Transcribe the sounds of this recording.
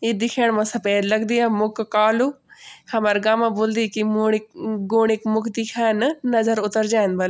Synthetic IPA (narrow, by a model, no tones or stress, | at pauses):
ed̪ɪkʰɛːɳmãsɐpeːd̪ləɡd̪iːaːmʊkkaːluː | kʰɐmaɾɡaːmãːboːld̪iːkimː | ɡoːɳɪkmʊkd̪ikʰɛːnnəzəɾʊt̪əɾd͡ʒaːnbɐl